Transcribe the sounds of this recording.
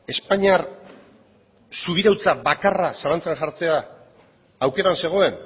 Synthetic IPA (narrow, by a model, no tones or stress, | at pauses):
e̞spaɲiar | suβ̞iɾawt͡sabakarasalant͡senʝaɾt͡se̞aː | wke̞ɾanse̞ɣ̞o̞e̞n